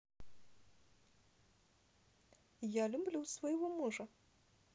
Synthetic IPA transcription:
jalʲublʲuwsvɔjɣɔmɔʐɐ

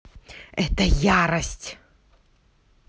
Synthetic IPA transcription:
ɛt̪ɐjaɾɐsʲtʲ

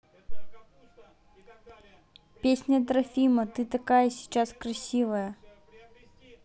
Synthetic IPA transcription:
pʲesʲnʲɐt̪ɾafʲimɐt̪ɨt̪akajɐsʲit͡ʃaskrɐsʲivɐjɐ

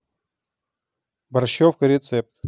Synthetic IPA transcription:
bɐrɕofkəɾʲɪt̪sɛp̚t̪

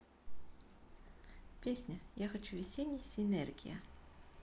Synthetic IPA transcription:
pʲesʲnʲɐjaxɐt͡ʃuvʲisʲenʲːisʲɪnɛrɡʲḭjɐ̰

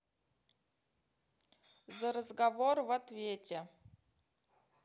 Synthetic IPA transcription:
zəɾəzɡavorvat̪vʲetʲe

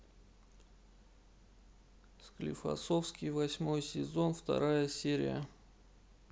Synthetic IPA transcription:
sklʲɪ̰fɐ̰sofskʲɪjvɐsʲmo̞jsʲɪzo̞nft̪ɐ̰ɾajəsʲeɾʲɪ̰jə̰

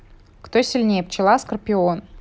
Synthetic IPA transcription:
kt̪osʲilʲnʲejp̚t͡ɕɪlˠaskərpʲion

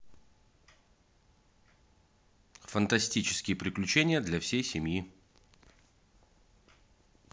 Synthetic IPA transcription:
fənt̪ɐsʲtʲit͡ɕɪ̥skʲɪjəpɾʲɪklʲʉt͡ɕenʲɪjəd̪lʲɐfsʲejsʲɪmʲji

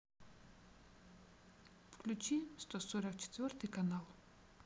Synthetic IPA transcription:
fklʲʉt͡ɕist̪osoɾək̚t͡ɕɪ̥t̪vʲort̪ɨjkɐnalˠ

